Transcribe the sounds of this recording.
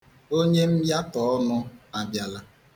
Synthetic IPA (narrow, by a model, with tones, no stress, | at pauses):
o˦ɲe˦m̩˦ja˦tɔ˨ɔ˦nʊ˦a˨bja˨la˨